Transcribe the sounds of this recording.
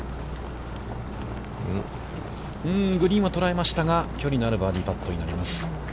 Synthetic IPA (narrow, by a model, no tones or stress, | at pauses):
ɯ̟̃ɡɯ̟ɾʲĩɰ̃βat̪o̞ɾae̞maɕi̥t̪aɡakʲo̞ɾʲinoaɾɯ̟baːɾʲipat̪ːo̞ɲinaɾʲimasɨ̥